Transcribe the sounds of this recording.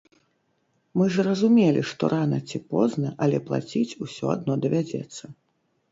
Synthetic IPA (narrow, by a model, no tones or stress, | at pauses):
mɨzrɐzumʲelʲiʂt̪ɔɾʔanɐt͡sʲipɔznɐʔɐlʲɛplˠa̰t͡sʲit͡sʲusʲɔ̰a̰d̪nɔd̪ɐvʲad͡zʲɛ̰t̪sːɐ